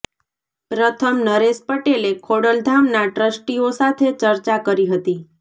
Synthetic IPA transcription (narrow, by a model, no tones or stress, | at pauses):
pɾət̪ʰəmnəɾespəʈelekʰoɽəld̪ʱamnaʈɾəsʈiosat̪ʰet͡ʃəɾt͡ʃakəɾiɦət̪i